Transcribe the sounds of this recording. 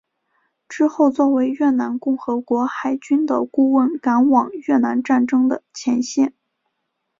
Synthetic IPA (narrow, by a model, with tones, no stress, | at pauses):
ʈ͡ʂɻ̩˥xo˥˧ʊt͡swɔ˥˩we˧˥ɪɥɛ˥˩na˧˥nkʊ˥˩ŋxɤ˧˥kwɔ˧˥xa˧˩ɪt͡ɕy˥nd̪ə̰˨˩ku˥˧wə˥˩nka˧˥nwɑ˨˩ŋɥɛ˥˩na˧˥nʈ͡ʂa˥˩nʈ͡ʂɤ˥ŋd̪ə˨˩t͡ɕʰjɛ˧˥nɕjɛ˥˩n